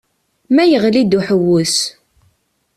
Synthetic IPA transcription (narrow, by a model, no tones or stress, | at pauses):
mæjəʁlid̪uħəwːʊs